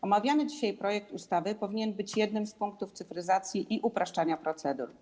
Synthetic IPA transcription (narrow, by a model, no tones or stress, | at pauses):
ɔmavʲjanɘd͡ʑiɕajpɾɔjɛk̚t̪ust̪avɘpɔvʲiɲɛnbɘt͡ɕjɛd̪̚nɘmspuŋk̚t̪uft̪sɘfɾɘzat̪sʲjiʔiʔupɾaʂt͡ʂaɲapɾɔt̪sɛd̪ṵɾ